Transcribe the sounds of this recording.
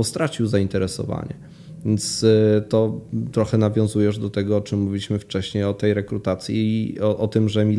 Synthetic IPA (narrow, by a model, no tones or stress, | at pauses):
ɔst̪ɾat͡ɕiwzaint̪ɛɾɛsɔ̰va̰ɲɛ̰ | vʲjent̪st̪ɔt̪ɾɔxɛnavʲjɔ̃zujɛʐd̪ɔt̪ɛɡɔɔt͡ʂɘmːuvʲilʲiɕmɘft͡ʂɛɕɲejɔt̪ɛjɾɛkɾut̪at̪sʲjḭɔʔɔt̪ɘmʐɛmʲi